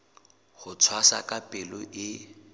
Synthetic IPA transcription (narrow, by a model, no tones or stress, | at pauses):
χʊt͡sʰwasakʼapʼɪlɔʔɪ